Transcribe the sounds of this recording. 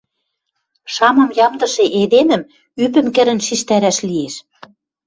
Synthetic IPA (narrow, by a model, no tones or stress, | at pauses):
ʃɑmɤ̆mjɑmd̪ɤ̆ʃĕʔed̪emə̆m | ypɘ̆mkɘ̆ɾɘ̆nʃiʃt̪æɾæʃlieʃ